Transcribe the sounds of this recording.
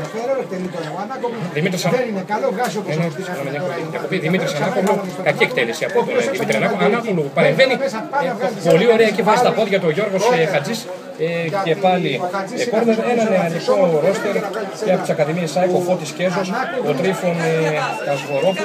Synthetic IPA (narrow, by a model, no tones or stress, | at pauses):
ɾ | ðimit̪ɾisɐ | enɐmeɲɐpoliiðjɐko̞piðimit̪ɾisɐnɐkovno | kɐcie̞kt̪elesiɐpot̪oðimit̪ɾiɐnɐkoɐnɐpolupɐɾemveni | polio̞ɾeɐecivɐzit̪ɐpo̞ðʝɐt̪uoʝo̞ɾɣosxɐd͡zis | ece̞pɐliekoɾðeðenɐneɐnikoɾo̞st̪eɾceɐpot̪isɐkɐðimiesɐekofot̪isce̞zosot̪ɾifoneɐzɣo̞ɾop